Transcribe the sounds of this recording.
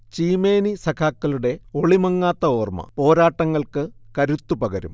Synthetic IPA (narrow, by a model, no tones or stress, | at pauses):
t͡ɕiːme̞ːnisɐkʰaːkːɐluɽe̞o̞ɭimɐŋːaːt̪ːɐo̞ːrmɐ̰po̞ːɾaːʈːɐŋːɐɭkɨkɐɾut̪ːupɐɡɐɾṵm